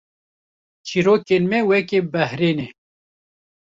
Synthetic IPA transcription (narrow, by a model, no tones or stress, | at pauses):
t͡ʃʰiɾoːkenmɛwɛkebɛhɾeːne